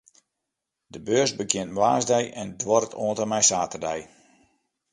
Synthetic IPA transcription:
dəbøːrsbəkʰjɪəntmʋaːzdɛjʔɛndwɔrətʰoəntəmɛjsaːtərdɛj

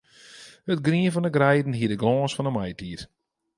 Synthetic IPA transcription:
hətɡriənfɔnəɡrɛjdn̩ɦiədəɡlɔːsfɔnəmajtiːr

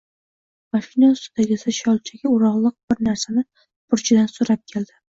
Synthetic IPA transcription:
maʃɪnɒnsʊd̪aɡʲɪsɪʃɒlˠt͡ʃʰaɡʲaʊɾɒʁlˠɨq̚b̥ɪɾnaɾsanɪ | pʰʊɾt͡ʃʰɪd̪ansʊɾap̚kʲʰe̞ld̪ɪ

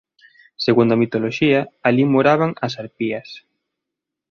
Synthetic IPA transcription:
seɣund̪ɐmit̪oloʃiɐalimoɾaβaŋɐsaɾpiɐs

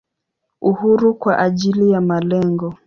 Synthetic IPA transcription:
uhuɾukwaʔaʄilijamalɛŋɡɔ

